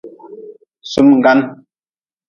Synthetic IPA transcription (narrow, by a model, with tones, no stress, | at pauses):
su˦mŋ˨ɡa˦n